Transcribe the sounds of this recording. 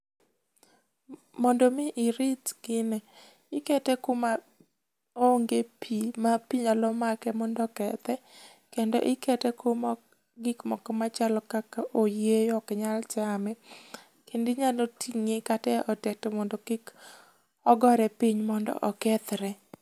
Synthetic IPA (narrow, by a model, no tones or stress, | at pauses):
mɔndɔmɪʔɪɾɪtɡɪnɛ | ɪkɛtɛkoma | oŋɡepʰimapiɲalɔmakɛmɔndɔkɛt̪ɛ | kendɔ̰ʔɪkɛtɛkomɔ | ɡɪkmɔkmat͡ʃalɔkakaʔojejɔkɲalt͡ʃamɛ | kendɪɲalotʰiŋekatɛʔɔtɛtɛmɔndɔkik | ɔɡɔɾɛpiɲmɔndɔ̰ʔɔkɛt̪ɾɛ